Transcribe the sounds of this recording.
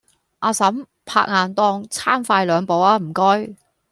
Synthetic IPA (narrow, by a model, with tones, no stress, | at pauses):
ʔaː˧sɐ˨˥m | pʰa̰ː˧k̚ŋaː˨˧nt̪ɔː˧ŋt͡sʰaː˥mfaː˧jlœː˨˧ŋpo˨˧waː˧m̩˨˩kɔː˥j